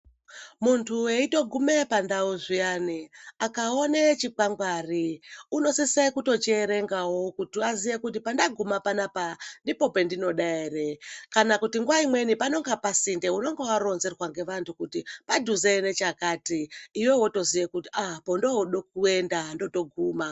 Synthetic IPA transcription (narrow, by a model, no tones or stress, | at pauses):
muntʰueito̞ɡʱume̞pandauʐijaniakaonet͡ʃik͡paŋɡwaːriuno̞sisekuto̞t͡ʃeːɾe̞ŋɡawo̞kutiazijekut̬ipandaɡʱumapanapandipo̞pe̞ndino̞ɗaerekanakutiŋɡwaimwe̞nipano̞ŋɡapasinde̞uno̞ŋɡewaɾo̞nzerwaŋɡe̞ʋantukutipadʱuzene̞t͡ʃakaːtiːwewoto̞zijekutiapo̞ndoɗok̚ue̞ndando̞to̞ɡʱuːma